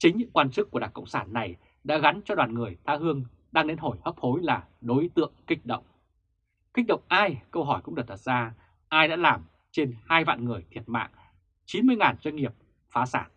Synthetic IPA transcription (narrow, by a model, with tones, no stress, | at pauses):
t͡ɕï˨˦ŋ̟ɲɨ̰˧˥ŋkwaː˧nt͡ɕɨ˦˥k̚ku˧˩əɗaː˧˩ŋkə̰˧˨wŋ͡msaː˧˩nːa˨˩j | ɗa̰ː˧˥ɣa˨˦nt͡ɕɔ˧ɗwaː˨˩nŋɨ˨˩əjt̪ʰaː˧˩ɦɨ˧əŋ | ɗaː˧ŋɗe˧nɦo˧˩jhə˦˥p̚ho˨˦jlaː˨˩ | ɗo˨˦jt̪ɨ̰˧˨əŋkï˦˥k̟̚ɗə̰˧˨wŋ͡m | kï˦˥k̟̚ɗə̰˧˨wŋ͡mʔaː˧jkə˧wɦɔ˧˩jkʊ̰˧˥ŋ͡mɗɨ˨˩t̚t̪ə˨˩t̚zaː˧ | ʔaː˧jɗa̰ː˧˥laː˨˩m | t͡ɕe˧nhaː˧jva̰ː˧˨nŋɨ˨˩əjt̪ʰi˨˩ət̚ma̰ː˧˨ŋ | t͡ɕi˨˦nmɨ˧əjŋaː˨˩nzwə˧ŋ̟ŋi˨˩əp̚ | faː˨˦saː˧˩n